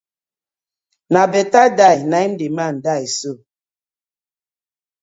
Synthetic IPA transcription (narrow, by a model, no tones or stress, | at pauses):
nabetadajnaim̩diman̩daeso